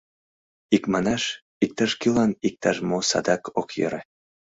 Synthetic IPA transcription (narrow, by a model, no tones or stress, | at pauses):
ikmɑnɑʃ | ik̚t̪ɑʃkilɑnik̚t̪ɑʃmosɑ̰d̪ɑkʰokjɤ̰ɾe